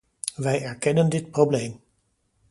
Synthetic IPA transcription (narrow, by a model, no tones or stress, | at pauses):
ʋɛjɛɹkɛnəndɪtprowblejm